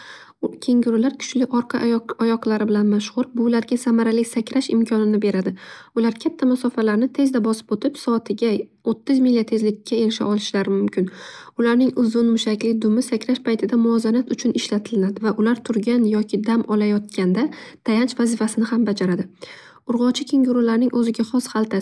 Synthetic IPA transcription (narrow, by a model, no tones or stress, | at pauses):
kʲʰe̞ŋɡʲɪɾʊlaɾkʲʰʊ̥t͡ʃlɪʔɒɾqʰɑajɒqʰlaɾɪbɪlanmaʃχʊɾbʊlaɾɡʲasamaɾalɪsakʲʰɾaʃɪ̰mkʲʰɒnɪnɪbe̞ɾad̪ɪʊlaɾkʲʰat̪ʰːamʊsɒfalaɾnɪt̪ʰe̞zd̪abɒsɪ̥pot̪ʰɪpsɒt̪ʰɪɡʲa | ot̪ːɪzmilʲːat̪ʰe̞zlɪkʲʰːae̞lɪʃɪ̰ʔɒlɪʃlaɾɪmʊmkʲʰɪn | ʊlaɾnɪŋʊzʊnmʊʃakʲlɪd̪ʊmɪsakʲʰɾaʃpʰajt̪ʰɪd̪amʊɒzanat̪ʊt͡ʃʰʊnɪʃlat̪ʰɪlɪnad̪ɪvaʔʊlaɾt̪ʰʊɾɡʲanjɒkʲʰɪd̪amɒlajɒt̪̚kʲand̪at̪ʰajant͡ʃvazɪfasɪnɪhambad͡ʒaɾad̪ɪ | ʊɾʁɒt͡ʃʰɪkʲʰeŋɡʲʊɾʊlaɾnɪŋʔɵzɪɡʲaχɒshalˠt̪ʰa